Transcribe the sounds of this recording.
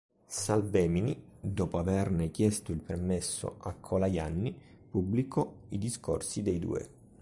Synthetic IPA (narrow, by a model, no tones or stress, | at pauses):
salbɛːminid̪ɔːpoavɛrnekjɛst̪oilpermesːo̰akʰːɔlajanːi | publikʰɔid̪isko̰rsid̪ejd̪ṵːḛ